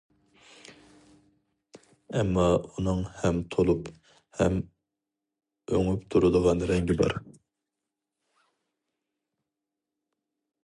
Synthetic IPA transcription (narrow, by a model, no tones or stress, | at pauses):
ɛmːɑunɨŋhɛmt̪ʰolˠup | hɛm | øŋypt̪ʰuɾɨd̪əʁɑnɾɛŋɡʲɪbɑ̰ɾ